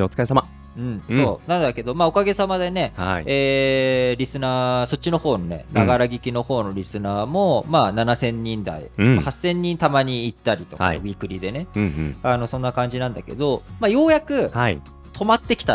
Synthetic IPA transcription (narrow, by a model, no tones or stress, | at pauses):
ot͡skaesama | ɯ̟̃ɴso̰ːnãnd̪ake̞d̪o̞mao̞kaɡe̞samad̪e̞ne̞aieːɾʲisɨnaːso̞t̚t͡ɕːino̞ho̞ːno̞ne̞̰naɡaɾaɡʲikʲino̞ho̞ːno̞ɾʲisɨnaːmo̞maːnanasẽ̞ɲ̟ːĩnd̪a̰ḭmahasːẽ̞ɲ̟ːĩnt̪amaɲ̟iːt̪ːaɾʲit̪o̞a̰aɡʲikɯ̟ɾʲid̪e̞ne̞ano̞sõ̞nːakãɲ̟d͡ʑinãnd̪ake̞̰d̪o̞maːjo̞ːjakɯ̟a | t̪ʰo̞mat̪ːe̞kʲi̥t̪a